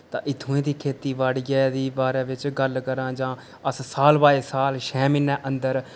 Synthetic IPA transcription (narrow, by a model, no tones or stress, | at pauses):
t̪ã̰ːʔɪt̪ʰːũːẽːd̪iːkʰeːt̪iːʋaɽɪjɛːd̪iːbaːɾeːʋɪt͡ʃɡəlkəɾãːd͡ʒãː | əssaːlbaːeːsaːlʃʰɛːmɪnːɛːʔənd̪əɾ